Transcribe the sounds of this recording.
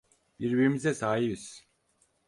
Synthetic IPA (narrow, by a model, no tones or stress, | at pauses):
biɾbiɾimizɛsaːɦibiz̥